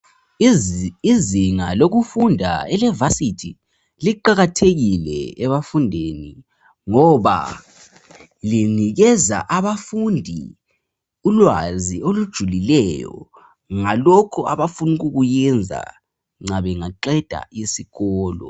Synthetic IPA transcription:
iziŋaloɣufundʱaɛlɛvasitʰi | liǃaɣatʰeɣilɛ̰ɛβafundʱeni | ŋɔβa̰ | liniɣɛza̰ʔaβafundʱi | ulwaziolud̥ʒ̥ʱulilɛjɔ̰ | ŋalɔkʰɔaβafunuɣuɣujɛnd͡zʱa̰ | ŋ͡ǀaβɛŋaǃɛd̥ʱa̰ʔisiɣɔːlɔ̰

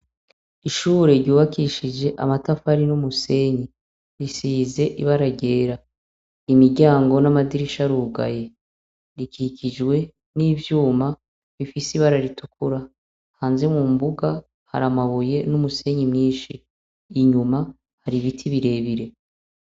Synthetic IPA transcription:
iʃuːɾe̞ɾɟuːβakiʃid͡ʒe̞ʔa̰matafaɾinumuse̞ɲi | ɾisiːze̞ʔiβaɾaɟe̞ːɾa | imiɟaːŋɡo̞namadiɾiʃaɾuːɡa̰je̞ | ɾikʰicʰid͡ʒwe̞ | niːvjuːma | βifisiβaɾaɾitukʰuɾa | haːnze̞mŋumbuɡa | ha̰ɾamaβuje̞numuse̞ɲimɲiːʃiː | ɲuma | haɾiβitʰiβiɾe̞ːβiɾe̞

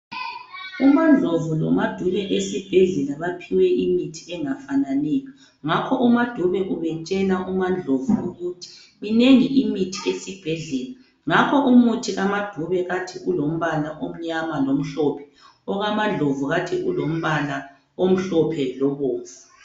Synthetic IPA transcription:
umand͡ɮʱovulɔ̰mad̥ʱuβɛʔesib̥ʱɛɮɛlaβapʰiwɛʔimitʰiɛŋafananɛːjɔ | ŋakʰɔʔumad̥ʱuβɛʔuβɛt͡ʃʼɛnaʔumand͡ɮʱovuuɣutʰi̥ | mineŋiʔimitʰiesib̥ʱɛɮɛːla | ŋakʰɔʔumutʰiɣamad̥ʱuβɛɣatʰiʔulom̩βalaʔom̩ɲamalom̩ɬɔpʰɛ̥ | ɔɣamand͡ɮʱovuɣatʰiʔulom̩βala | om̩ɬɔpʰɛlɔβoːvu

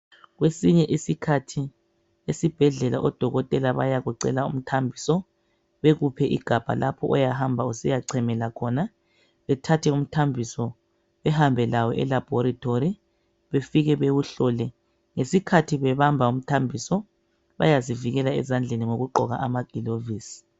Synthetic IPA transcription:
ɣwesiɲɛʔisikʰatʰi | esib̥ʱɛɮɛla̰ʔɔd̥ʱɔɣɔtʼɛlaβa̰jaɣuǀɛ̰laṵm̩tʰambʱisɔ | βeɣupʰɛʔḭɡ̥ʱab̥ʱa̰lapʰɔ̰ʔɔjahambʱausijaǀʰɛmɛlakʰɔna | βɛtʰatʰɛum̩tʰambʱisɔ | βɛhambʱɛlawɔʔɛ̰lab̥ʱɔɾitʰoɾi | βefiɣɛβewuɬɔːlɛ | ŋesikʰatʰiβɛβambʱaum̩tʰambʱisɔ | βa̰jaziviɣɛlaɛ̰zand͡ɮʱeniŋoɣuɡ͡ǃʱɔɣa̰ʔamaɡ̥ʱiloviːsi̥

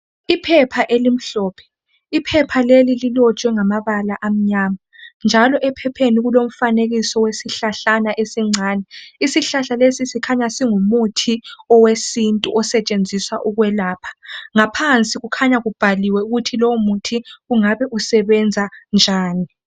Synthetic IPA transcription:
ipʰɛpʰaʔelim̩ɬɔːpʰɛ̥ | ipʰɛpʰalelililɔt͡ʃʼwɛŋamaβalaʔam̩ɲaːmand͡ʒʱalɔʔɛpʰɛpʰeniɣulom̩faneɣisɔwesiɬaɬanaʔesiŋ͡ǀʱaːnɛisiɬaɬalesisikʰaɲasiŋumutʰiɔwesintʼṵʔɔsɛt͡ʃʼend͡zʱiswaʔuɣwɛlaːpʰḁŋapʰant͡sʼiɣukʰaɲaɣub̥ʱaliwɛuɣutʰilɔwomutʰiɣuŋaβɛʔusɛβɛnd͡zʱand͡ʒʱaːni

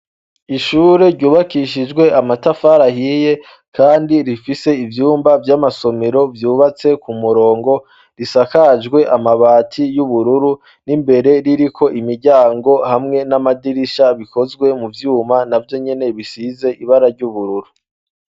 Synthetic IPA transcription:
iʃuːɾe̞ɾɟuːβakiʃid͡ʒɡwe̞amatafaɾahije̞ | kaːndiɾifise̞ivjuːmbavjamaso̞meɾo̞vjuːβat͡se̞kumuɾo̞ːŋɡo̞ | ɾisakaʒɡwe̞ʔamaβaːtʰijuβuɾuɾu | nimbe̞ɾe̞ɾiɾikʰo̞ʔimiɾɟaːŋɡo̞hamŋe̞namadiɾiʃaβiko̞zɡwe̞muvjuːmanavjo̞ɲe̞ne̞βisize̞ʔiβaɾaɾɟuβuɾuɾu

